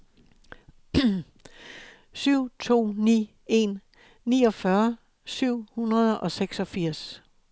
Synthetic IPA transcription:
syʊ̰t͡sʰo̝̰ːnḭː | e̝nː | iːɒ̽fɶɐ | syʊ̰hunɐð̞ˠɒ̽seɡ̥sɒ̽fiɐ̰s

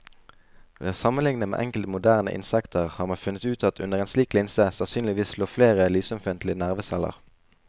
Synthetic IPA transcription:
ʋesɑmənlɪŋnəmḛːʔɛŋkəl̩t̪mʊd̪æːʁnə̰ʔɪ̰nsɛkt̪ʰəʁhɑːʁmɑfʉnət̪ʉːt̪ʰɑt̪ʰʉnəʁeːnsliːklɪnsəsɑnsyːnlɪʋiːsloːfleːʁəlyːsɔmfɪnt̪lɪnæʁʋəsɛlə̰ʁ

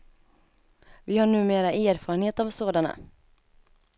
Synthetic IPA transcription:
vɪhaɳʉ̟ːmeːɾaʔæːɾfɑːɾənheːt̪avsoːd̪ana̰

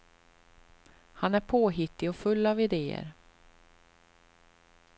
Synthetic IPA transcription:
hanæɾpʰoːɦɪt̪ːɪɔfɵlːavɪd̪eːə̰ɾ

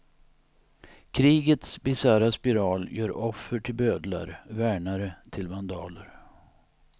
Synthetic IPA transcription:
kʰɾiːɡət̪sbɪsaːɾaspɪɾɑːljœːɾɔfːəʈʰɪlbøːd̪la̰ɾvæːɳaɾət̪ʰɪlvand̪ɑːləɾ

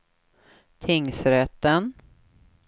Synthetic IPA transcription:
t̪ʰɪŋsɾɛt̪ːən

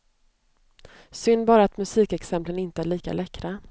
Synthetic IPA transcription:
sʏnbɑːɾat̪mɵsiːkɛksɛmplənɪnt̪əæɭiːka̰lɛkɾa

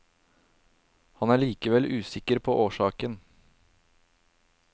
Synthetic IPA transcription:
hɑnæːɭiːkəʋɛlʔʉːsɪkəɾpʰoːʔoːʃɑːkən

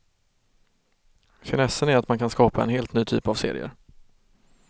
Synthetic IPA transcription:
çɪnɛsːənæɾat̪mankʰanskɑːpaɛ̰nheːlt̪nyːt̪ʰy̰ːpavsḛːɾɪ̰ə̰ɾ

